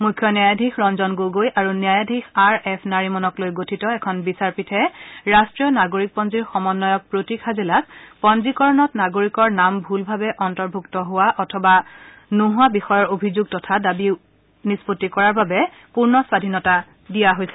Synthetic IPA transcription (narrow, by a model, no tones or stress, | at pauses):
mujkʰjɔnjajadʱixɹɔnzɔnɡoɡojʔaɹuniajadʱixaɹɛpʰnaɹimɔnɔklojɡotʰitɔɛkʰɔnbisaɹpitʰɛɹastɹijɔnaɡoɹik̚pɔnziɹxɔmɔnːɔjɔk̚pɹotikʰazilakpɔnzikɔɹɔnɔtnaɡoɹikɔɹnambʱulbʱabɛʔɔntɔɹbʱuktɔɦʊwaʔɔtʰɔba | nuɦʊabixɔjɔɹobʱizuɡ̚tɔtʰadabi | nispotːikɔɹaɹbabɛ | puɹnɔswadʱinɔta | dijaɦojsɛ